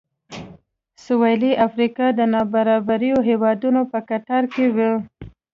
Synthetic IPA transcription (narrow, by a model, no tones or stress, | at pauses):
sʊwɑjliʔafɾikɑd̪ənɑbaɾɑbaɾijoɦewɑd̪unopəkaʈaɾkewə